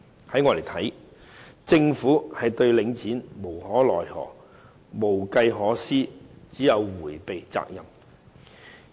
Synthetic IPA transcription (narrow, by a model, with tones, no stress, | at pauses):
hɐ˨˥jŋɔː˨˧le˨˩jt̪ʰɐ˨˥j | t͡sɪ˧ŋfuː˨˥hɐ˨jt̪ɵ˧ɥlɪ˨˥ŋt͡siː˨˥nmo˨˩whɔː˨˥lɔ̰ː˨˩jhɔ̰ː˨˩ | mo˨˩wkɐ˧jɦɔː˨˥siː˥t͡siː˨˥jɐ˨˧wwuː˨˩jpe˨jt͡sa̰ː˧k̚jɐ˨˩m